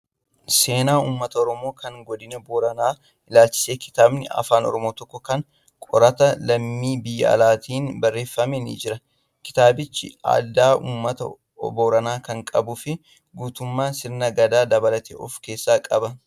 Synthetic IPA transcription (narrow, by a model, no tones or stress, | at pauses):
se̞ːnaːuːmːɐt̪ɐɔɾɔmo̞ːkʰɐŋɡɔd̪ɪnɐboːɾɐnaː | ʔɪlaːlt͡ʃɪ̥se̞ːkɪ̥t̪aːbnɪɐ̰faːnɔ̰ɾɔmoːt̪ɔkːɔkɐŋ | kʼɔɾɐt̪ɐlɐmːiːbɪjːɐ̰ɐ̰laːt̪ʰiːnbɐrːe̞ːfːɐmenḭd͡ʒɪɾɐ | kɪ̥t̪aːbɪt͡ʃːɪ̰a̰ːd̪aːʔuːmːɐt̪ɐ̰ | boːɾɐnaːkɐŋkʼɐbʊfɪ | ɡuːt̪ʊmːaːnsɪɾnɐɡɐd̪aːd̪ɐbɐlɐt̪ʰḛʔɔ̰fke̞ːsːaːkʼɐbɐ